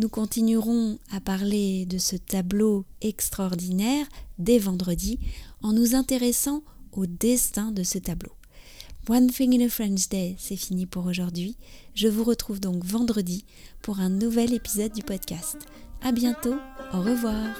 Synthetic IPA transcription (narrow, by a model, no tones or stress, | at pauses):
nukɔ̃t̪inyʁɔ̃apaʁled̪əsət̪abloɛkst̪χaɔʁd̪inɛʁd̪evɑ̃d̪ʁəd̪iɑ̃nuzɛ̃t̪eʁɛsɑ̃ | od̪ɛst̪ɛ̃d̪əsət̪ablo | wanfĩŋnəfχɛ̃nʃd̪ɛsɛfinipuʁoʒuʁd̪ɥiʒəvuʁət̪χuvd̪ɔ̃kvɑ̃d̪ʁəd̪i | puʁɛ̃nuvɛlepizɔd̪̚ːypɔd̪kʲast̪ | abjɛ̃t̪ooʁəvwaːʁ